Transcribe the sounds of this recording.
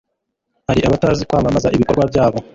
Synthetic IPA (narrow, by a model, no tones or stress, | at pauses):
haɾiʔaβataɾazikwaːmamazaʔiβikoɾɡwavjaːβo̞